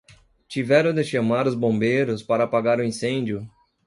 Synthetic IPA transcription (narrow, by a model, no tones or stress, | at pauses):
t͡ʃivɛɾɐ̃d̪eʃɐmaɾʊzbõbejɾʊspaɾɐaːpaɡaɾʊĩsẽnd͡ʒjʊ